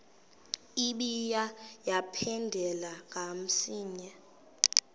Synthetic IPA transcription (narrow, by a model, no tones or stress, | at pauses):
iɓijajapʰɛndʱɛlaŋʱam̩siːɲa